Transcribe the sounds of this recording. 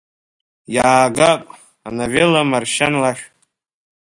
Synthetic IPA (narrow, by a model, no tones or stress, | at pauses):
jaːɡapʼ | anavelamarʃanlaʃ